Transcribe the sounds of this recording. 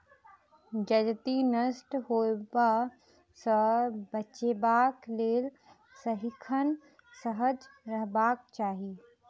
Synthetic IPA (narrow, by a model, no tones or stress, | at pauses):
d͡ʒɐd͡ʒt̪inəsʈhoːba | səbəʃebaːkleːl | səɦɪkʰən | səɦəd͡ʒɾəɦbaːk̚t͡ʃaːɦi